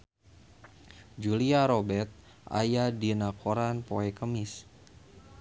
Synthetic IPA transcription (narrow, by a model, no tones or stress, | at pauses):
d͡ʒuliaɾobɛrt̪̚ | ʔa̰jadinakʰoɾanpoɛkəmɪs